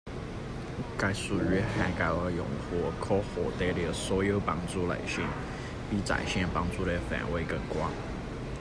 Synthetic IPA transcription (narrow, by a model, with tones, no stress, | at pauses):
ka˥ɪsu˨˩ɥɛ˥xa˥˩nka˧˩ɪə˧˥jʊ̰˨˩ŋxwɔ˥˩kʰo˥ʊxwɔ˨˩t̪e˥ɪli˧˩swɔ˧˥jo˨˩ʊpɑ˥ŋt͡su˥˩lə̰˨˩ɪɕɛ˥˩ŋ | pi˧˥˩t͡sa̰˨˩ɪɕjɛ˥˧npɑ˥ŋt͡su˥˧lə˧˩fa̰˨˩nwe˥˩ɪkə˨˩kwɑ˥ŋ